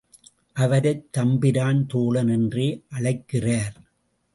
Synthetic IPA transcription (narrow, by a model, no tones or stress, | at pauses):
ʔɐʋɐɾɐɪt̪ːɐmbɪɾaːnt̪oːlɐnɛndreːʔɐɭɐɪkːɪraːɾ